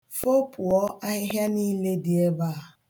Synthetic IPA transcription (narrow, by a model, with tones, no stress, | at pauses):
fo˦pʰʊ˨ɔ˦a˦ɦɪ˦ɦja˦niː˦le˦dɪ˨e˦baː˦˨